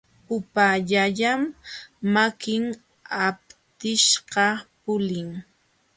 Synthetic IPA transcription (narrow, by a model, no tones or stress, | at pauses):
pʊpaʎaʎamː | akɪŋ | ap̚t̪ɪʃɢɑpʊlɪŋ